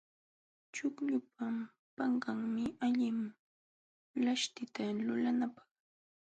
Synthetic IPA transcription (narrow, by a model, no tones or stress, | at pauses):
t͡ʃʊkʎʊpa | pɑɴɢɑŋmɪaʎɪm | laʃt̪ɪt̪alʊlanapɑ̥χ